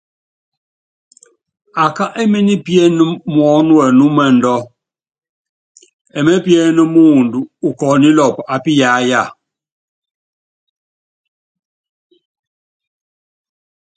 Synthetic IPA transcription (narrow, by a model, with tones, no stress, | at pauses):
a˨ka˦ʔɛ˦mɛ˦ni˦pjɛ˦nə˦mwɔ˨˦nwɛ˨nu˦mɛ˦n̩˨dɔ˦ | ɛ˨mɛ˦pjɛ˦nə˦mu˦˨ndu˨u˨kɔː˨ni˦lɔ˨pa˨pi˦ja˨˦ja˦˨